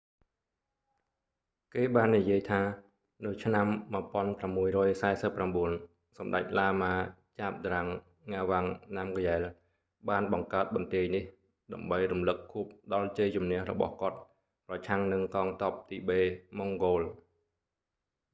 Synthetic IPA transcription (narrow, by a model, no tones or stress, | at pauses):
keːɓaːnːijiəjt̪ʰaː | nɨwt͡ɕʰnamːaəpŏənpramːuəjrɔːjsaɛsəpːramɓuən | sɑmɗa̰c̚laːmaːt͡ɕaːp̚d̪raŋː | aːʋaŋnamkjaɛl | ɓaːnɓɑŋkaət̪̚ɓɑnt̪iəjnih | ɗaəmɓəjrumlɨkʰːuəp̚ɗɑlt͡ɕəjt͡ɕumnɛ̆əhrɔ̰ɓɑ̰hkŏət̪̚ | prɑt͡ɕʰaŋnɨŋkɑːŋt̪ɑːp̚t̪iːɓeːmoŋɡoːl